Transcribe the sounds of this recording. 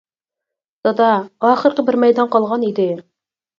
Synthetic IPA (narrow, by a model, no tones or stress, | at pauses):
sɑd̪ɑɑːχəɾqəbɪɾmɛjd̪ɑnqɑlˠʁɑnid̪ɪ